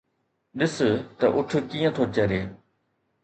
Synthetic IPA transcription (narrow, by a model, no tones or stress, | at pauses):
ɗɪst̪ɐʔʊʈʰʊ̆kiːə̃t̪ʰoːt͡ɕɐɾeː